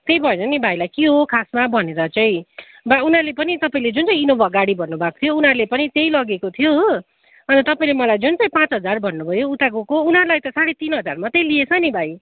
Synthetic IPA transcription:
t̪ejbʱʌenʌnibʱajlajkiɦokʰasmabʱʌneɾʌt͡saĩ | baunɦarlepʌnit̪ʌpaĩled͡zunt͡saĩinobʱʌɡaɽibʱʌnːubʱako̥t̪ʰijounarlepʌnit̪ejlʌɡekot̪ʰjo | ʌnʌt̪ʌpaĩlemʌlajd͡zunt͡saĩpãt͡sɦʌd͡zarbʱʌnːubʱʌjout̪akokounʌɾlajt̪ʌsaɽet̪inɦʌd͡zarmat̪ejliet͡sʰʌnibʱaj

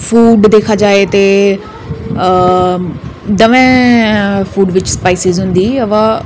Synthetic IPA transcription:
fuːɖd̪eːkʰad͡ʒaːet̪e | d̪ɐʋɛ̃ | fuːɖʋɪt͡ɕspaːɪsɪzɦʊ̃ːn̆d̪iɐʋa

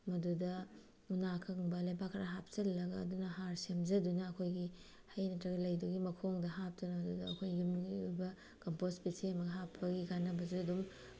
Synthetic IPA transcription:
mɐdudɐ | unakʰɐŋbɐlɐjbakʰːɾaɦap̚t͡ʃɐlːɐɡɐːdunɐhaɾsemzɐdunɐːkʰojɡi | hɐjnɐtɾɐɡɐlɐjdɐɡimɐkʰoŋdɐɦap̚tɐnɐmɐdudɐːkʰojɡumɡiujbɐ | kɐmpospiseɐmɐɡɐɦapʰɐɡiɡanɐbɐzuɐdum

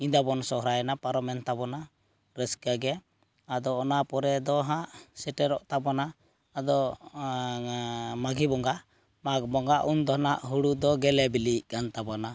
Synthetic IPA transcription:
id̪abɔnsɔhɾajɛnapaɾɔmɛnt̪abɔna | ɾɛskaɡɛ | ad̪ɔːnapɔɾɛd̪ɔɦaʔsɛʈɛɾɔʔt̪abɔnaː | d̪ɔ | maɡibɔŋɡaʔ | maɡ̚bɔŋɡaʔund̪ɔnaʔɦuɽud̪ɔɡɛlɛbiliʔkant̪abɔna

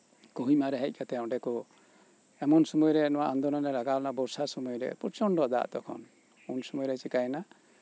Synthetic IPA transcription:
kɔɦimaɾɛɦɛc̚kat̪ɛɔ̃ɖɛkɔ | ɛmɔnsɔmujɔɾɛnɔwaʔand̪ɔnɔnɛlaɡalnabɔɾsasɔmujɔɾɛ̰pɔɾt͡ʃɔɳɖɔd̪a̰ʔt̪ɔkʰɔ̰n | unsɔmujɔɾɛt͡ʃikajɛna

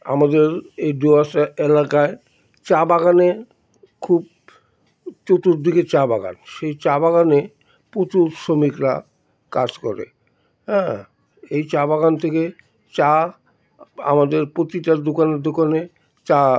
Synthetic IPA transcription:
a̰mad̪eɾeɖoaʃaelakae | t͡ɕabaɡane | kʰub̚ | t͡ɕot̪uɾd̪ʱiket͡ɕabaɡa̰nʃejt͡ɕabaɣane | pɾot̪uɾʃomikɾa̰ | kad͡ʑkɔɾḛ | ɦɛ̃ | ejt͡ɕabaɡant̪ʰeke | t͡ɕa | a̰mad̪eɾpɾot̪iʈaɾd̪okaneɾd̪okane | t͡ɕa

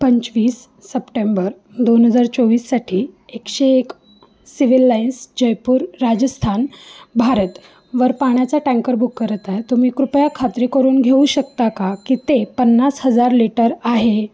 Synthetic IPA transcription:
pəɲt͡ɕʋiːsː | əpʈembəɾ | d̪onɦəd͡zaɾt͡soʋiːsːaʈʰiːekɕeːk | siʋilːainsd͡ʑəjpuːɾːad͡ʑəst̪ʰanbʱaɾət̪ | ʋəɾpaɳ̃jat͡saʈɛ̃ŋkəɾbʱukːəɾət̪aet̪um̤iːkɾupjakʰat̪ɾiːkəɾuːnɡʱeuɕək̚t̪akakiːt̪epənːasɦəd͡zaɾliʈəɾaɦe

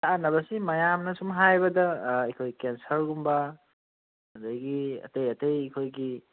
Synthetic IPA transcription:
anɐbɐsimɐjamnɐsumɦajbɐdɐikʰojkensɐɾɡumbɐ | ɐdajɡiɐ̰tejɐtejikʰojɡi

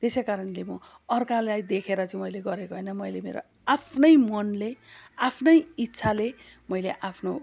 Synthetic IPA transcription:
t̪esekaɾʌnlemʌ | ʌrkalajd̪ekʰeɾʌt͡sʌ̃mʌjleɡʌɾekoɦʌjnʌmʌjlemḛɾo̰ | apʰnʌjmʌnleapʰnʌjit̪ːsʰale | mʌjleʔapʰno

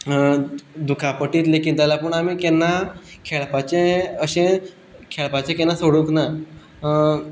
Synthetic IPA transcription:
d̪ukʰapəʈiːt̪lekiːnt̪alapəɳamiːkɛnːakʰeɭpat͡ɕẽəɕẽ | kʰeɭpat͡ɕẽkɛnasoɽukna

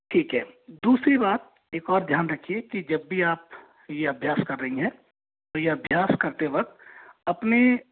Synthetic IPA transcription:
ʈʰiːkɦɛːd̪uːsɾibaːt̪̚ | eːkɔːɾd̪ʱjaːnɾɐkʰiekid͡ʒɐbːiaːp̚ | jeɐbʱjaːskɐɾːɐɦĩɦɛ̃ | t̪ojeɐbʱjaːskɐɾt̪eʋɐk̚t̪ɐpne

